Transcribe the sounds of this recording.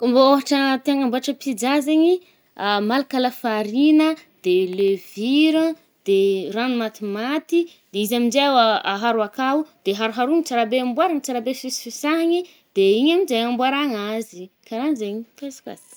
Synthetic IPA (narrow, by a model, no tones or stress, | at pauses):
mbooɦaʈ͡ʂət̪eaŋambuaʈ͡ʂəpid͡ʒazeɲi | malakaləfaɾinəd̪̥eleviɾə | d̪̥eranumat̪imat̪i | d̪̥eizamid͡ʒawaaɦaɾuakaud̪̥eɦaɾuɦaɾuɲit͡saɾabeambwaɾaŋit͡saɾabefisfisaɦaɲi | d̪̥eiɲamizajambwaɾaŋazikaɾanzeɲipesḁka̰z̥i̥